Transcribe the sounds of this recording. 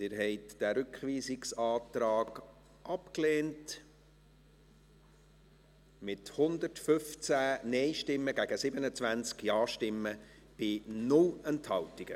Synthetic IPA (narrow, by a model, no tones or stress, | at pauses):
ɪːɾɦɛɪtd̥æɾʏkχʋiːsɪksɑːt̪ɾɑːɡ | ʔɑpkleːnt | mɪthʊnd̪əɾtfʏft͡sæːnɛɪʃtɪmːəɡ̥æɡ̥əsɪbənət͡svænt͡skjɑːʃtɪmːə | b̥ɪnʊlɛnthɑltiɡ̥ə